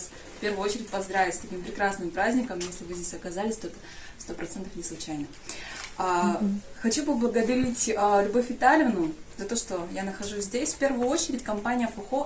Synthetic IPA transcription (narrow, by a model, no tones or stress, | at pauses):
s | fʲpʲe̞rvʊjʊot͡ɕɪɾʲɪtʲpɐzd̪ɾavʲɪtʲsʲt̪ɐkʲimpɾʲɪkɾasnɨmpɾazʲnʲɪkəmjesʲlʲɪvɨzʲdʲesʲɐkɐzalʲɪsʲt̪oɛt̪ə̥fst̪o̞pɾɐt̪sɛnt̪əfnʲɪslˠʊt͡ɕæjnə | axɐt͡ɕupəblˠəɡəd̪ɐɾʲitʲəlʲʊbofʲʊt̪alʲɪvnʊzɐt̪o̞ʂt̪ojanəxɐʐusʲzʲdʲesʲfʲpʲe̞rvʊjʊo̞t͡ɕɪɾʲɪtʲkɐmpanʲɪjəfəxo